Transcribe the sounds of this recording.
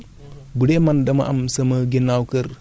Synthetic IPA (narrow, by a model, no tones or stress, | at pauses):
budemandɐma̰ʔamsɐmɐɡenawkɐɾ